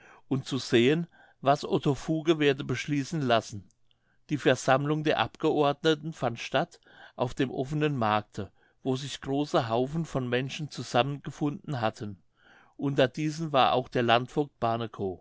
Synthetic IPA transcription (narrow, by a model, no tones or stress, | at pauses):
ʔʊnt͡suz̥eːən | vasʔo̰tʰofuːɡəveːɐdəbəʃliːsn̩lasn̩ | d̥iːfɛɐz̥amlʊŋdeːɐʔa̰pɡ̥əʔɔɐdnətn̩fantʃtat | ʔaʊfd̥eːmʔɔfənənmaɐk̚tʰə | voːzɪçɡ̥ʁoːsəɦaʊfn̩fɔnmɛnʃn̩t͡suzamənɡ̥əfʊndn̩ɦatʰən | ʔʊntɐdiːzən̩vaːɐʔa̰ʊxd̥eːɐlantfʊɐk̚b̥aːnəkʰo